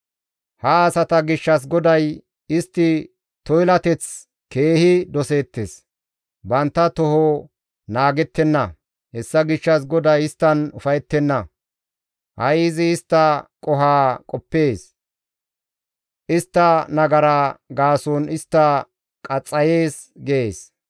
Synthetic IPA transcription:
hɐːsɐt̪ɐɡɪʃːɐs̬ɡɔd̪ɐj | ɪst̪ːɪ | t̪ɔjlɐt̪ɛt͡s | ke̞ːhɪd̪ɔse̞ːt̪ːes | bɐnt̪ːɐt̪ɔɦɔ | naːɡɛt̪ːɛnːɐ | hɛsːɐɡɪʃːɐs̬ɡɔd̪ɐjɪst̪ːɐnʊfɐjɛt̪ːɛnːɐ | hɐ̰jɪːzɪːst̪ːɐkʼɔɦaːkʼɔpːe̞ːs | ʔɪst̪ːɐnɐɡɐɾaɡaːsɔnɪst̪ːɐ | kʼɐt͡sʼːɐje̞ːs | ɡeeːs

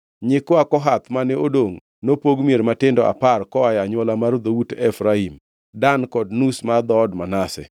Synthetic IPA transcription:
ɲɪkɔakɔɦat̪manɛodoŋ | nopoɡmjeɾmatɪndɔʔa̰parkɔajaɲwɔlamaɾd̪owutɛfɾaim | dankɔdnusmad̪ɔːdmanasɛ̰

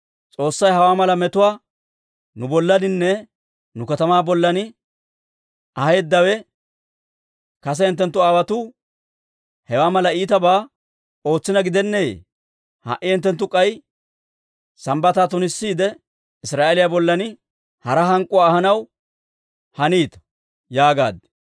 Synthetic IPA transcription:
t͡sʼo̞ːsːɐjɦɐwaːmɐlɐmɛt̪ʊwaː | nʊbɔlːɐnɪnːɛ | nʊkɐt̪ɐmaːbɔlːɐnɪ | ʔɐheːd̪ːɐwɛ | kɐs̬ɛɪnt̪ːɛnt̪ːʊaːwɐt̪uː | hɛwaːmɐlɐiːt̪ɐbaː | o̞ːt͡sːɪnɐɡɪd̪ɛnːejḛː | hɐ̰ʔɪɛnt̪ːɛnt̪ːʊkʼːɐj | sɐmbɐt̪aːt̪ʊnɪsːiːd̪ɛ | ɪsɾaːʔelɪjabɔlːɐnɪ | hɐɾɐɦɐŋkʼʊwaːhɐnɐw | hɐniːt̪ɐ̥ | jaːɡa̰ːd̪

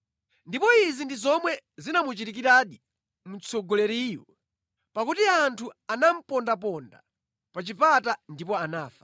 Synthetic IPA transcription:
ndipɔizindizɔmwɛzinamut͡ʃitik̬iɾaɗi | mut͡sʰɔɡɔlɛɾiːjɔ̰ | pakutiantʰuanam̩pɔndap̬ɔnda̰ | pat͡ʃipatandipɔanaːfḁ

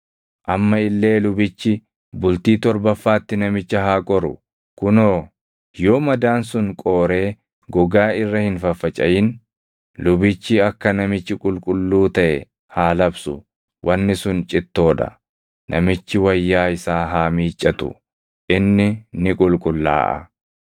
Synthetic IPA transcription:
ʔɐmːɐɪlːe̞ːlʊbɪt͡ʃːɪ | bʊlt̪iːt̪ɔɾbɐfːaːt̪ːɪnɐmɪt͡ʃːɐɦaːkʼɔɾʊ̰ | kʊnoː | joːmɐd̪aːnsʊŋkʼo̞ːɾe̞ː | ɡɔɡaːɪrːɐhɪnfɐfːɐt͡ʃʼɐjɪn | lʊbɪt͡ʃːɪɐkːɐnɐmɪt͡ʃːɪkʼʊlkʼʊlːuːt̪ɐʔɛ | haːlɐbsʊ̰ | wʔɐnːɪsʊnt͡ʃʼɪt̪ːo̞ːᶑɐ̰ | nʔɐmɪt͡ʃːɪwɐjːaːɪsaːɦaːmiːt͡ʃʼːɐt̪ʊ̰ | ʔɪnːɪnɪkʼʊlkʼʊlːa̰ːʔɐ̰

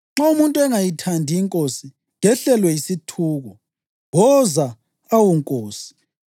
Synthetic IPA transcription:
ŋ͡ǁaumuntʼɛŋajitʰandʱiiŋkʼosi | ɣɛɬɛlwɛisitʰuːɣɔ | ɣɔza | awuŋkʼoːsi̥

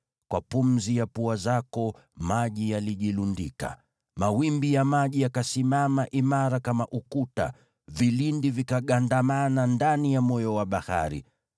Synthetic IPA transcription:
kwapumzijapuazakɔ | maʄijaliʄilundḭka̰ | mawimbijamaʄijakasimamaʔimaɾakamaʔukuta̰ | vilindivikaɠandamanandanijamɔjɔwaɓaha̰ɾḭ

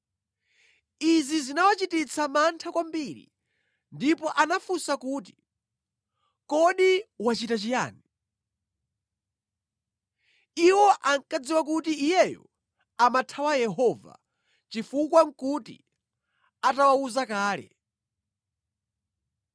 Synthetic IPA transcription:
izizinawat͡ʃitit͡sʰamantʰakwambiɾḭ | ndipɔʔanafusakuːt̬i̥ | kɔɗiwat͡ʃitat͡ʃija̰ːni | iwɔʔaŋkad͡ziwak̬utiːjɛjɔ̰ | amatʰawajɛɦɔva̰ | t͡ʃifukwaŋ̩kutḭ | atawauzakaːlɛ̰

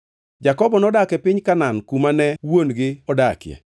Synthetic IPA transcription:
d͡ʒakɔbɔnɔdakɛpɪɲkanankumanɛwonɡɪɔdakjɛ̰

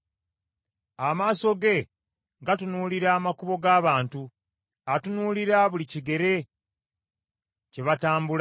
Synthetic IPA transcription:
amaːso̞ɡe̞ | ɡatunuːliɾaːmakuβo̞ɡaːβaːntu | atunuːliɾaβuliciɡe̞ɾe̞ | ceβataːmbul

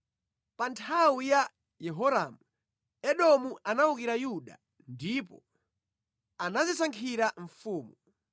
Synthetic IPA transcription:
pantʰawuja | jɛɦɔɾamu | ɛɗɔmuʔanauk̬iɾajuɗa̰ | ndipɔ̰ | anazisaŋkʰiɾaɱfuːmu

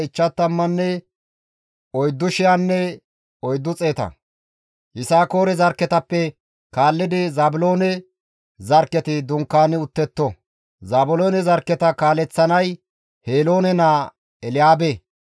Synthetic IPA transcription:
ɪt͡ʃːɐt̪ːɐmːɐnːɛ | ɔjd̪ːʊʃɪjaːnːɛ | ɔjd̪ːʊt͡sʼeːt̪ɐ̰ | ʔɪsaːko̞ːɾɛzɐɾkːɛt̪ɐpːɛ | kaːlːɪd̪ɪzaːbʊlo̞ːnɛ | zɐɾkːɛt̪ɪd̪ʊŋkːaːnɪʊt̪ːɛt̪ːɔ | zaːbʊlo̞ːnɛzɐɾkːɛt̪ɐkaːlɛt͡sːɐnɐj | heːlo̞ːnɛnaː | ɛlɪjaːbe

